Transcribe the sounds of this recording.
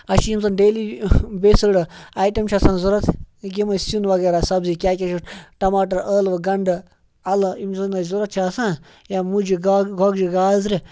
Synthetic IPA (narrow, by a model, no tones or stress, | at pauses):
ɐʃiimzɐnɖeːlibesɨɽɨaːjʈɐmt͡ʃʰasãːnzuɾɐt̪ʰɡʲimɐsunʋɐɡeːɾaːsɐbzikʲaːkʲɐʃuʈɐmaːʈɐɾəːlʋɐɡɐɳɖɨ | ɐlimzɐnɐzuɾɐt̪̚t͡ʃʰaːsãː | jaːmud͡ʒiɡaɡɔɡd͡ʒiɡaːzɾi